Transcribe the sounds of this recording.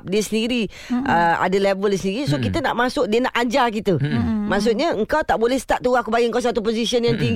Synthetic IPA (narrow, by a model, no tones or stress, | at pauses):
p̚diəsəndiɾi | əa̰dəlevəlsəndiɾisokit̪əna̰ʔmasʊk̚diənaʔad͡ʒarkit̪əmaʔs̬ʊʔ̪̚ɲaəŋkawt̪aʔbolɛhsə̥t̪aʔ̚t̪uakubaɡiʔəŋkaws̬at̪upozisiənjaŋt̪iŋ